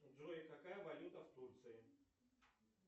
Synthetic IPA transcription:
ʐoɪkɐkajəvɐlʲut̪əft̪urt̪sɨɪ

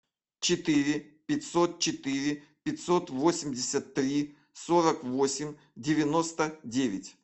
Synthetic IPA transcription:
t͡ɕɪt̪ɨɾʲɪpʲɪtʲso̞t̪̚t͡ɕɪt̪ɨɾʲɪ | pʲɪtʲso̞t̪vosʲɪmʲdʲɪsʲət̪ːɾʲi | soɾəkvosʲɪmʲ | dʲɪvʲɪno̞st̪ədʲevʲɪtʲ

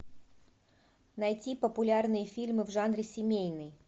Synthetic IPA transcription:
nɐjtʲipəpʊlʲarnɨjəfʲilʲmɨvʐanɾʲɪsʲɪmʲejnəj

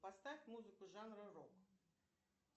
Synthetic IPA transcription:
past̪avʲmuzɨkʊʐanɾɨrɔk

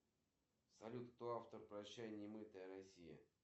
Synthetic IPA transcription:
sɐlʲut̪t̪oaft̪ərpɾɐɕːæjɪnʲɪmɨt̪əjəɾɐsʲijə̰

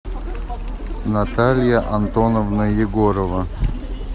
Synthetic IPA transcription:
nat̪alʲjaʔɐnt̪onovnɨjɪɡoɾovɐ

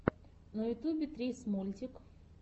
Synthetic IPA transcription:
nɐjʊt̪ʲubʲɪt̪ɾʲesmolʲt̪ʲɪk

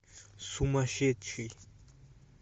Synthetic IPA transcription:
sumaɕet̪̚t͡ɕʰi

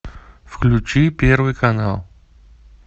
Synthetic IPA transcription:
fklʲut͡ɕipʲervɨjkɐnalˠ

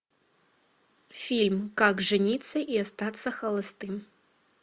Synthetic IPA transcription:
fʲilʲmkakʐɨnʲit̪sːɐʔiast̪at̪sːɐxɐlˠɐst̪ɨm

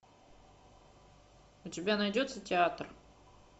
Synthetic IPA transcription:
ʊtʲɪbʲanɐjdʲo̞t̪sətʲɪat̪r

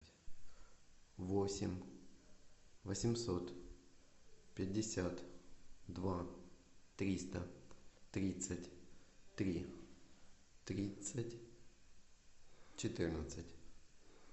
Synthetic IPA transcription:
vosʲɪmʲ | vəsʲɪmso̞t̪ | pʲɪdʲːɪsʲat̪d̪va | t̪ɾʲist̪ət̪ɾʲit̪sətʲt̪ɾʲi | t̪ɾʲit̪sətʲ | t͡ɕɪt̪ɨrnət̪sətʲ

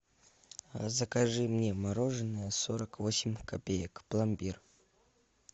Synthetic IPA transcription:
zəkaʐɨmnʲemaɾo̞ʐɨnːɨjəsoɾəkvo̞sʲɪmʲkapʲejəkplˠambʲir

